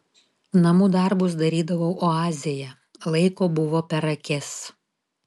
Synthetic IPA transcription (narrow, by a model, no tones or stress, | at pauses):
nɐmʊd̪ɐɾbʊsd̪ɐɾʲiːd̪ɐʋɐʊʔoɑːzʲɪjɛ | lˠɐɪkoːbʊʋoːpʲɛɾɐkʲɛs